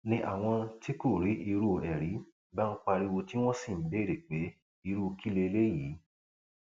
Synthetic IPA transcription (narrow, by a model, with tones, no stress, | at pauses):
nĩ˧ʔa̰˨w̃ɔ̃˧ti˦ko˦˨ɾi˨˦ʔi˧ɾu˦˧ɛ˨ɾi˨˦ | ba˦ŋ̩˦k͡pa˧ɾi˧wo˧ti˦w̃ɔ̃˦si˦˨˦be˦˨ɾe˨k͡pe˨˦ | i˧ɾu˦˧ki˦le˧le˦jiː˨˦